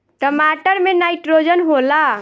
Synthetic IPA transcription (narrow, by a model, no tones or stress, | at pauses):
ʈəmaʈəɾmenaɪʈɾod͡ʒənɦola